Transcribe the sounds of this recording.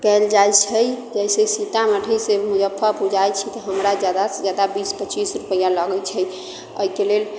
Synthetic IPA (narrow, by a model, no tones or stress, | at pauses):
kɛld͡ʒajt͡ʃʰəjd͡ʒəjsesit̪aməʈʰəsemud͡ʒəpʰːəpud͡ʒajt͡ʃʰit̪ɔɦəmɾad͡ʒjad̪ad͡ʒjad̪abispət͡ʃisɾupəjaləɡɛt͡ʃʰəj | əikelel